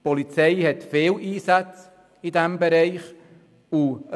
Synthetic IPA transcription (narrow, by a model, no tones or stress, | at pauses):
pɔlit͡sɛɪhɛtfeːliːsat͡s | idɛmbɛɾɛɪχ | u